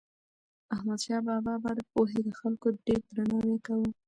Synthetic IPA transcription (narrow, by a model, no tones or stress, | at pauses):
ahmad̪ʃɑbɑbɑbɑd̪əpoɦed̪əxalkoɖeɾd̪ɾanɑwekawu